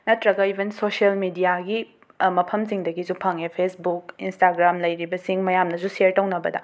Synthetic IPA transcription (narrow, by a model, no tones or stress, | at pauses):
nɐtɾɐɡɐibʱɐnsosɐlmidijaɡi | mɐpʰɐmziŋdɐɡizupʰaŋepʰesbukinstaɡɾamlɐjɾibɐsiŋmɐjamnɐzuseɾtɐwnɐbɐ̰dɐ̰